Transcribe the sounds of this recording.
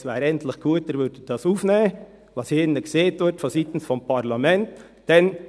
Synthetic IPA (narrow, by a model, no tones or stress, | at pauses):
sʋæːɾɛnt̪lɪχɡ̥uːət̪̚əɾvʋʏɾdəd̥ɑsuːfneːə | ʋɑsheːɾnəɡ̥seːt̪ʋɪtfɔsit̪n̩sfɔmpʰɑɾlɑmɛnt | d̥ɛn